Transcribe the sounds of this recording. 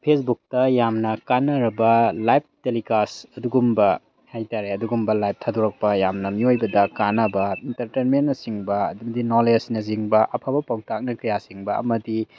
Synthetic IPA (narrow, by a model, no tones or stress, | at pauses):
pʰesbuk̚tɐjamnɐkanɐɾɐbɐlajp̚telikasɐduɡumbɐ | hajtaɾeɐduɡumbɐlajp̚tʰaduɾɐk̚pɐjamnɐmiojbɐdɐkanɐbɐintɐɾtenmenːɐsiŋbɐːdumɐdinolesnɐziŋbɐʔɐpʰabɐpawtak̚nɐkɐjasiŋbɐɐ̰mɐdi